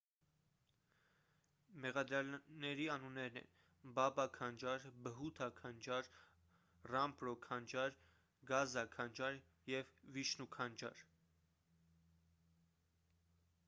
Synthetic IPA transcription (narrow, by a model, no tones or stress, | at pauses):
mɛʁɑd̪ɾjɑlnɛɾiɑnunːɛɾnɛ̰n | bɑbɑkʰɑnd͡ʒɑɾbəɦut̪ʰɑkʰɑnd͡ʒɑɾ | rɑmpɾɔkʰɑnd͡ʒɑɾ | ɡɑzɑkʰɑnd͡ʒɑɾ | jɛvviʃnukʰɑnd͡ʒɑ̰ɾ